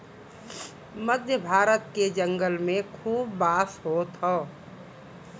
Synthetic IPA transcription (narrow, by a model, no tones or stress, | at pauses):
məd̪ʱjəbʱaːɾət̪̚ked͡ʒə̃ŋɡəlmẽkʰuːbːaːsɦot̪oː